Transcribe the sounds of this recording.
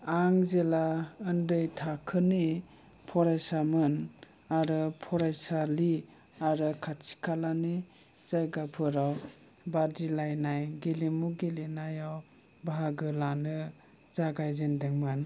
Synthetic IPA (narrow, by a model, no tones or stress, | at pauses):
aŋzelaɯndɯjtʰakʰɯni | pʰɔɾajsamɯn | aɾɯpʰɔɾajsali | aɾɯkʰatt͡ʃi̥kʰalani | z̥ajɡapʰɯɾaw | badilajnajɡelimuɡelinajaw | baɦaɡɯlanɯ | z̥aɡajzendeŋmɯn